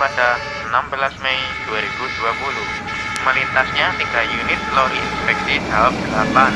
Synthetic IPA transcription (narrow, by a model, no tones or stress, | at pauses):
pad̥a | ənambəlasmɛid̥uaɾib̥ud̥uapuluh | məlint̪asɲaniɡ̥ajunɪt̪̚lɔʔinspɛk̚tid̥awap̚d̪̥əlapan